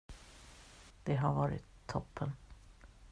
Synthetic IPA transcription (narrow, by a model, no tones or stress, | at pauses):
d̪̥ɛɦaɾvɑːɾɪ̰t̪ʰːɔpʰːən